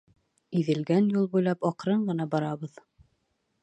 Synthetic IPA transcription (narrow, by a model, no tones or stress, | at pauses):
iðɘ̆lɡænjulˠbujlˠɑpɒqɾɤɴɢɤ̆nɑbɒɾɑβɤð